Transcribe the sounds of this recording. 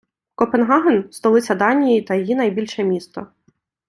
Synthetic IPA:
kɔpenɦɑɦenst̪ɔlˠɪsʲɐd̪ɑnʲijit̪ɐjjinɐjbʲilʲʃɛmʲist̪ɔ

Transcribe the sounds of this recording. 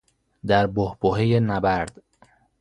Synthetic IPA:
d̪æɾbohboɦejenæbæɾd̪̥

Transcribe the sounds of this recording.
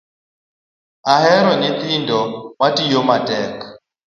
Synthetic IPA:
aɦɛɾɔnit̪indɔwatijɔmatʼɛk

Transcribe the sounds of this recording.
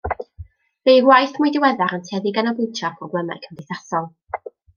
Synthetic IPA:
vejwajθmʊjdɪwɛðaɾəntʰɛðɪɡanɔbɪtʰapʰɔɡlˠɛmɛ̰kʰəmdɪθasɔlˠ

